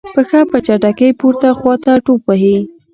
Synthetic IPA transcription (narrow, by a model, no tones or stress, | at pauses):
pəxapət͡ʃaʈakəjpuɾt̪axwɑt̪aʈopaɦe